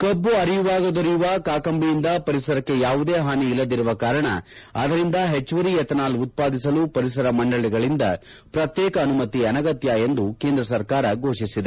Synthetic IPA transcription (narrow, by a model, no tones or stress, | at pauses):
kɐbːuɐɾijuʋaːɡɐd̪oɾijuʋɐkaːkɐmbijind̪ɐpɐɾisɐɾɐkːe̞jaːʋud̪eːɦaːniːlːɐd̪iɾuʋɐkaːɾɐɳɐ̰ | ɐ̰d̪ɐɾind̪ɐɦet͡ʃːʋɐɾijɛt̪ɐnaːlut̪̚paːd̪isɐluːpɐɾis̬ɐɾɐmɐɳɖɐɭiɡɐɭind̪ɐ̰ | pɾɐt̪jɛːkɐːnumɐt̪iɐnɐɡɐt̪jɐe̞nd̪uke̞ːnd̪ɾɐsɐɾkaːɾɐɡo̞ːʃisid̪e